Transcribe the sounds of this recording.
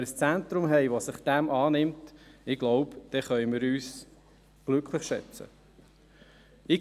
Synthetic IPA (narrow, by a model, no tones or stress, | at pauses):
əɾəst͡sæntɾʊmɦɛɪʋosɪχd̥æmʔɑːnɪmtɪɡ̥lɔʊpd̥ɛχœʏmɪɾyːs | ɡ̥lʏkʰlɪχʃɛ̰t͡sə̰ | ɪ